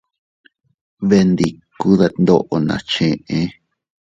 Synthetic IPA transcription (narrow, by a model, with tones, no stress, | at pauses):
βe˧nd̪i˨ku˦ða˧nd̪o˦ʔo˧nã̰˨t͡ʃẽ˧ʔẽ˦